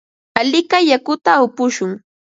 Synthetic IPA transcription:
alɪkajakʊt̪aʊpʊʃʊŋ

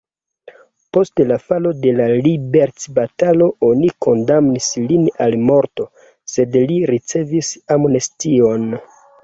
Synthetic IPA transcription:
po̞stlafalo̞de̞lalibeɾt͡sbatalo̞ʔo̞niko̞ndamnislinalmo̞ɾto̞ | se̞dliɾit͡se̞visamonestio̞n

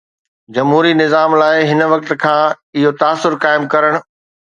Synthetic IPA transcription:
d͡ʑɐmɦuːɾinɪzaːmlaːɪɦɪnʋɐk̚t̪kʰãː | ɪɦot̪aːsːʊɾkaːɪmkɐɾəɽ̃ʊ̆

